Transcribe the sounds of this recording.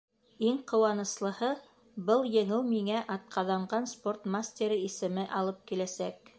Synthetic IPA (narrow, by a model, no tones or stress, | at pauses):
iŋqŏwɑnɤ̆slˠɤ̆hɤ | bɤlˠjɘ̆ŋɘwmiŋæʔɑt̪̚qʰɑðɑɴɢɑnsport̪masʲt̪ʲeɾiisɘ̆mɘʔɑlˠɤp̚kilæsæk